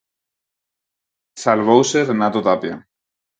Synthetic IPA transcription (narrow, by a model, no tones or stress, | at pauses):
salβowseɾenat̪ot̪apja